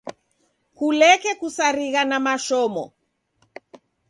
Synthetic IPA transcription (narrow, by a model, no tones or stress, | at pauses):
kulɛkɛkusaɾiɣanamaʃɔmɔ̰